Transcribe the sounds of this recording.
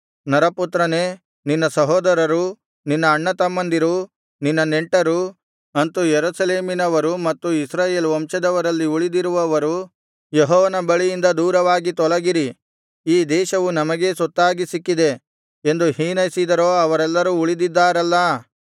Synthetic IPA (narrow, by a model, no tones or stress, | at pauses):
nɐɾɐput̪ɾɐne̞ː | ninːɐsɐɦɔːd̪ɐɾɐɾu | ninːɐːɳːɐt̪ɐmːɐnd̪iɾu | ninːɐneɳʈɐɾu | ɐnt̪ujeɾuːsɐleːminɐʋɐɾumɐt̪ːuisɾaːje̞ːlʋɐmʃɐd̪ɐʋɐɾɐlːiuɭid̪iɾuʋɐʋɐɾu | jeɦɔːʋɐnɐbɐɭijind̪ɐd̪uːɾɐʋaːɡit̪ɔɭɐɡiɾi | iːd̪ɛːʃɐʋunɐmɐɡe̞sɔt̪ːaːɡisikːid̪e̞ | end̪uhiːnɐjsid̪ɐɾoːɐʋɐɾɛlːɐɾuːɭid̪id̪ːaːɾɐlːɐ